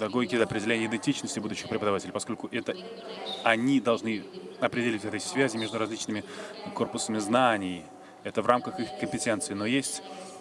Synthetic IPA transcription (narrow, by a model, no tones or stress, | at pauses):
d̪ɐɡojɡʲid̪ɐpɾʲɪdʲɪlʲenʲɪəɪd̪ɪnʲtʲit͡ɕnəsʲtʲɪbud̪ʊɕːɪxpɾʲɪpəd̪ɐvatʲɪlʲɪjpɐsko̞lʲkʊʔɛt̪ə | ɐnʲid̪ɐlˠʐnɨɐpɾʲɪdʲɪlʲitʲɛt̪əjsʲvʲæzʲɪmʲe̞ʐd̪ʊɾɐzʲlʲit͡ɕnɨmʲɪko̞rpʊsəmʲɪznanʲɪj | ɛt̪əvramkəxɨxkəmʲpʲɪtʲent̪sɨɪnojesʲtʲ